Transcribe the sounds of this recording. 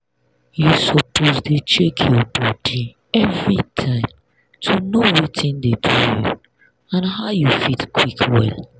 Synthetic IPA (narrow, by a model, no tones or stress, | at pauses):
jusɔpʰozdet͡ʃekʰjɔbɔdi | ɛvɹitʰãɪ̃m | tʰunowitʰĩndedʰujṵ | ãnɦaʊjufitkʰwikʰwɛ̰l